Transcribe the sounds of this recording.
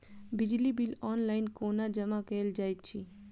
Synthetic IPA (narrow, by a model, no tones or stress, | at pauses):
bɪd͡ʒlibilɔːnlaːɪnkoːnad͡ʒəmakeld͡ʒaːjt̪̚t͡ʃʰi